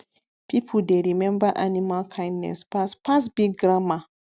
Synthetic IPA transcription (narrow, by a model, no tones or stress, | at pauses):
pipʰudeɾimɛmbaʔanimakʰajnɛ̰spaspas̬biɡɾama